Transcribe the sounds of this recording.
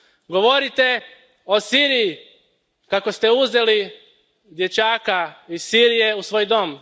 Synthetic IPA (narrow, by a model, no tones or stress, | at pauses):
ɡoʋo̞ɾit̪e̞ | o̞siːɾiji | kako̞st̪e̞uze̞li | d̪je̞t͡ɕaːkaisiɾije̞usʋoːjd̪o̞m